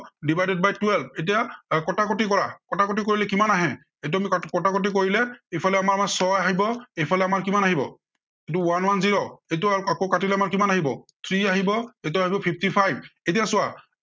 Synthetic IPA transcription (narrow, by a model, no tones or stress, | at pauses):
dibajdɛd̚bajtwɛlp̚ʰet̬ijakɔtakotikɔɹakɔtakot̬ikoɹilɛkimanaɦɛ̃ | ejt̬ʊamikɔtakot̬ik̬oɹilɛejpʰalɛamaɹmasɔaɦibɔejpʰalɛamaɹkimanaɦibɔ̰ | ejt̬ʊwanwanziɹoejtuaɹuakokatilɛamaɹkimanaɦibɔt̪ʰɹiaɦibɔejt̬uaɦibɔpʰip̚ʰtipʰajb̚etijasʊa